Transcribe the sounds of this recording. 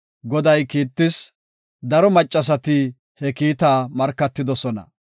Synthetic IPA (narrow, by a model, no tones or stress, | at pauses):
ɡɔd̪ɐjkiːt̪ːɪs | d̪ɐɾɔmɐt͡ʃʼːɐs̬ɐt̪ɪ | hɛkiːt̪aːmɐɾkːɐt̪ːɪd̪ɔsɔnɐ̰